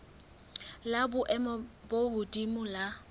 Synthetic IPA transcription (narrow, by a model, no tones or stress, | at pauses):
labʊʔɛmɔbohʊdʼimʊla